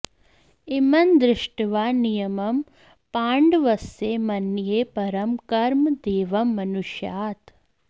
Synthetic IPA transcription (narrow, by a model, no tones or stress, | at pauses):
imɐnd̪ɾɪʂʈʋaːnijɐmɐm | paːɳɖʋɐseːmɐnjeːpɐɾɐmkɐɾmd̪eːʋɐmːɐnuʃjaːt̪